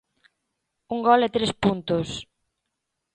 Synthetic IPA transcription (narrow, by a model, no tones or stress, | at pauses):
uŋɡɔlɛt̪ɾespunt̪ʊs